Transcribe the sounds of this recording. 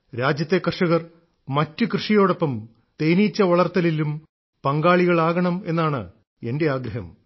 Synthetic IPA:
ɾaːd͡ʑjɐt̪ːe̞kɐrʂɐɣɐr | mɐtːɨkrɨʂijo̞ːɽo̞pːɐm | t̪ejnit͡ɕːɐʋɐɭɐrt̪ɐlilum | pɐŋɡaːɭiɣɐɭaːɣɐɳɐme̞nːaːɳɨ̰ | e̞nde̞aːɡɾɐɦɐm

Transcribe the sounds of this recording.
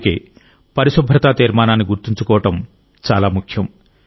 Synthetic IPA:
kḛː | pɐɾiʃubʱɾɐt̪aːt̪iːɾmaːnaːnːiɡuɾt̪iɲt͡ʃukɔːʋɐʈɐm | t͡ʃaːlaːmukʰjɐm

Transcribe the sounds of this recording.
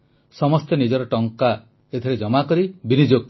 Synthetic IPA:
sɔmɔst̪enid͡ʒɔɾɔʈɔŋka | et̪ʰiɾed͡ʒɔmakɔɾibinid͡ʒok̚

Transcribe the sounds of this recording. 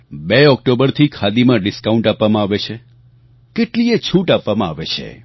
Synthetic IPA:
beɔk̚ʈobəɾt̪ʰikʰad̪imãɖɪskaũɳʈapʋamãaʋet͡ʃʰe | keʈliet͡ʃʰuʈapʋamãaʋet͡ʃʰḛ

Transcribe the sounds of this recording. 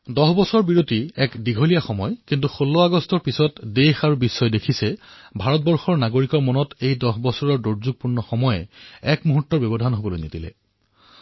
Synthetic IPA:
dɔxbɔsɔɹbiɹotiɛkdiɡʱolijaxɔmɔjkint̬uxolːɔaɡɔstɔɹpisɔtdexaɹubisːɔjdekʰisɛ | bʱaɹɔt̚bɔɹxɔɹnaɡoɹikɔɹmɔnɔtejdɔxbɔsɔɹɔɹdoɹzuɡ̚puɹnɔxɔmɔjɛɛkmuɦutːɔɹbɔbɔdʱanɦobɔlojnetilɛ̰

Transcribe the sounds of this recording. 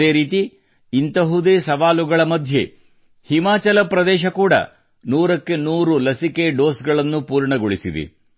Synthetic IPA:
e̞ːɾiːt̪i | int̪ɐɦud̪eːsɐʋaːluɡɐɭɐmɐd̪ʱje̞ | himaːt͡ʃɐlɐpɾɐd̪ɛːʃɐkuːɽɐ̰ | nuːɾɐkːe̞nuːɾulɐsike̞ɖo̞ːsɡɐɭɐnːupuːɾɳɐɡoɭisid̪ḭ

